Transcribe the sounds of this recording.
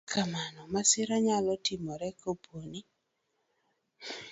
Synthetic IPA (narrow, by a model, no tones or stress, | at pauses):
kʰamanɔmasɪɾaɲalɔtɪmɔɾɛkobwoni